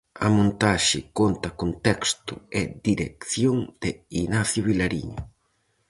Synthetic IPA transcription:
a̰mõnt̪aʃɪkont̪ɐkont̪ɛkst̪ʊɛd̪iɾekθjoŋd̪̥einaθjʊβilaɾḭɲʊ

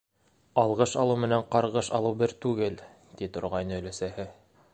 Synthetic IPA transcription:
ɑlˠʁɤʃɑlˠɤwmɘ̆næɴqɑɾʁɤʃɑ̰lˠɤwbɘɾt̪ʉɡɘl | t̪it̪ŏɾʁɑjnɤ̆ɵ̆læsæhɘ

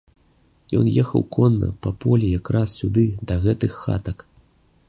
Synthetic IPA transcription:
jɔ̰njɛxɐ̰wkʰɔnːɐ̰pɐpɔlʲijakɾassʲud̪ɨd̪ɐɣɛt̪ɨxːa̰t̪ɐk

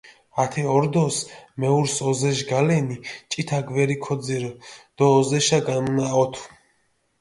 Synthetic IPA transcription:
at̪ʰɛɔɾd̪ɔsmɛuɾsɔzɛʃɡalɛnit͡ʃʼit̪ʰaɡwɛɾikʰɔd̪ziɾd̪̥ɔːzɛʃaɡanunaɔt̪ʰu̥

